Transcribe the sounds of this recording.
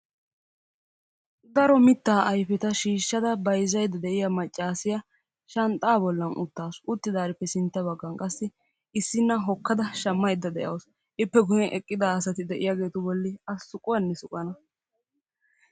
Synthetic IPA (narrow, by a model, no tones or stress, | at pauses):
d̪ɐɾɔmɪt̪ːaːʔɐjfɛt̪ɐʃiːʃːɐd̪ɐbɐjzɐjd̪ɐd̪ɛʔɪjɐmɐt͡ʃʼːaːsɪjɐ | ʃɐnt̪ʼaːbɔlːɐnʊ̰t̪ːaːsʊt̪ːɪd̪aːɾɪpːɛsɪnt̪ːɐbɐɡːɐŋkʼɐsːɪ | ɪsːɪnːɐɦɔkːɐd̪ɐʃɐmːɐjd̪ːɐd̪ɛʔɐws | ʔɪpːɛɡʊjɛnʔɛkʼːɪd̪aɐsɐt̪ɪd̪ɛʔɪjaːɡe̞ːt̪ʊbɔlːɪɐsːʊkʼʊwɐnːɛsʊkʼːɐnɐ